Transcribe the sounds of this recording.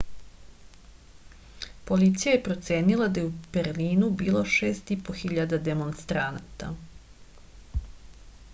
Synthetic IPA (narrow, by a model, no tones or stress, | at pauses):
po̞lit̪sijajepɾo̞t̪se̞ːnilad̪ajeub̥eɾliːnubiːlˠo̞ʃeːst̪ipo̞xiʎad̪ad̪e̞monst̪ɾanat̪a̰